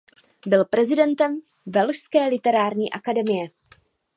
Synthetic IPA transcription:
bɪlpɾɛzɪdɛnt̪ɛm | vɛlʃskɛːlɪt̪ɛɾaːɾɲiːʔakadɛmɪjɛ

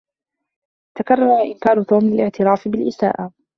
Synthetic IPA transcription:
t̪akɑrˤːɑɾˤɑʔɪnkɑːɾˤʊt̪uːmlɪlɪʕt̪ɪɾɑːfɪbɪlʔɪsa̰ːʔa

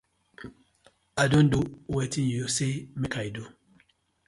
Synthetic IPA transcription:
ajdõnduwetĩnjusemekʰajdu

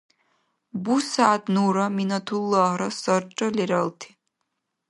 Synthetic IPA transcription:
busaːd̪nuɾɔminɔt̪ʰulːɔːɦɾɔsɔɾt͡ʃʼɔlɛɾɔlˠt̪ʰi̥

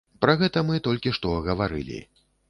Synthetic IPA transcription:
pɾɐɣɛt̪ɐmɨt̪ɔlʲkʲiʂt̪ɔɣɐvaɾɨ̰lʲḭ

